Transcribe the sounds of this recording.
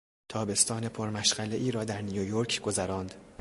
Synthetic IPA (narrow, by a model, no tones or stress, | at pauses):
t̪ʰɒːbe̞st̪ʰɒːne̞pʰo̞ɾmæʃɢæleʔiːɾɒːd̪æɾnijojoɾcʰɡo̞zæɾɒːnd̪